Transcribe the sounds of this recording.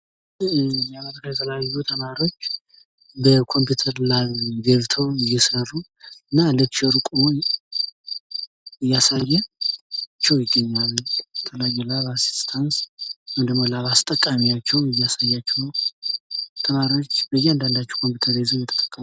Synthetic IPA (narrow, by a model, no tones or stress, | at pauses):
jɛaməɾikʰajɛt̪ʰələjajːut̪ʰəmaɾo̞t͡ʃː | bəkʰo̞mput̪ʰəɾlaɡəβt̪ʰowɪjːɛsərːu | ɨnːaləkʃɛɾkʼum | ɨjːasajːɛ | t͡ʃːɛwjɪɡːəɲːallbət̪ʰələjajɛlaβasi̥st̪ʰanswɛnd̪əɡmolaβast̪ʼəkʼːamijat͡ʃːɛwɪjːasajːat͡ʃːɛwn | t̪ʰəmaɾjo̞t͡ʃːbəjɛand̪and̪at͡ʃːɛ̥kʰo̞mpjiut̪ʰəɾezojɛt̪ʰə̥t̪ʼə̥kʼːəm